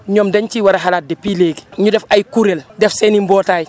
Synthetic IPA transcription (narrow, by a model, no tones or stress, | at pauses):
ɲɔːmdɛɲciwaɾɐɦalaːt̚dɛpileːɡɲudɛfajkuɾeldɛfsɛːnimbɔːtaːj